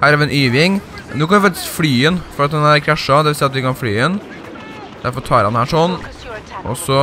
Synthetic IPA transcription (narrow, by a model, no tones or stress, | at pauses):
hæːɾɑʋɛnʔyːʋɪŋ | noːkʰɑnʋɪfɑkt̪ɪ̥sflyːɛnfɔɾɑt̪hɑnæɾkʰɾæʂɑd̪ɛʋɪlsiːɑt̪ʋɪkɑnflyːɛn | d̪æɾfɔɾt̪ʰɑːɾhɑnhæːʂɔnː | ʔɔ̰sɔ